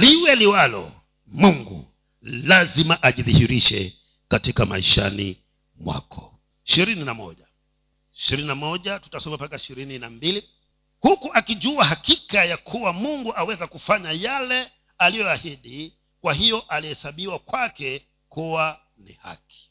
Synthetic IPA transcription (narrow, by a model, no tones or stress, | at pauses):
liwɛliwalɔ̰ | muŋɡṵ | lazimaʔaʄiðihiɾiʃɛ̰ | katikama̰ḭʃa̰nḭ | mwa̰kʰɔ̥ | iʃiɾininamɔ̰ʄa | iʃiɾininamɔʄatu̥tasɔmapakaiʃiɾininambili | hukuʔakiʄuaɦakikajakʰuwamuŋɡuʔawɛzakufaɲajalɛ | alijɔahiɗi | kwaɦijɔʔalihɛsaɓiwakwakɛ | kuwa | nḭha̰ki̥